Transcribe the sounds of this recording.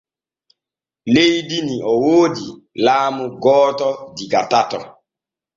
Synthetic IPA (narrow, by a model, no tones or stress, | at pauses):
leidiniʔɔwoːdi | laːmʊɡɔːtɔdiɡatatɔ